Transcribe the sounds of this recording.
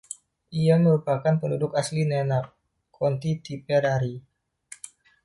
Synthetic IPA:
ʔiaməɾupakanpəndudʊkaslinɛnak̚ | kʰɔnt̪it̪ipɛɾaɾi

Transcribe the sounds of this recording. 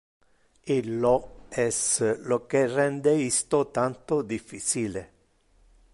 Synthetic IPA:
ilːɔɛslokerɛnd̪eist̪ot̪ant̪od̪ifːit͡ʃile

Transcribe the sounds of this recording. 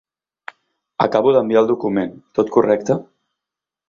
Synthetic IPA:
ə̰kaβuðəmbialˠd̪ukument̪ot̪kurɛk̚t̪ə

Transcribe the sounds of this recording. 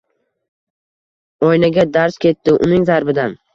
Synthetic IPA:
ɒjnaɡʲad̪aɾskʲe̞t̪ːɪʔʊ̰nɪŋzaɾbɪd̪an

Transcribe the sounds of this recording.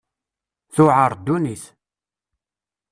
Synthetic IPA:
θʊʕəɾˤd̪ːuniθ

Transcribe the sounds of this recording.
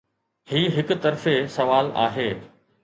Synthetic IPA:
hiːɦɪkʊt̪ɐɾfesɐʋaːla̰ːɦeː

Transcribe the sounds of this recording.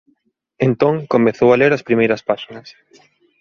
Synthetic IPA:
ẽnt̪õŋkomeθowaleɾɐspɾimejɾɐspaʃinɐs

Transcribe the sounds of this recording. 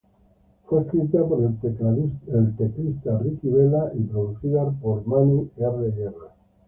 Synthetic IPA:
fweskɾit̪apoɾe | elt̪eklist̪arikiβelaʔipɾoðuθiðaɾpoɾmanieaɾðeɣera

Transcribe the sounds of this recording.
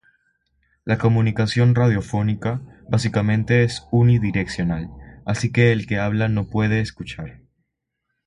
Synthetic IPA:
lako̞mũnikasjo̞nraðjo̞fo̞nikaβasikamẽ̞nt̪e̞esuniðiɾe̞ksjo̞nalasike̞ːlke̞aβ̞lano̞pwe̞ð̞e̞ːskut͡ʃaɾ

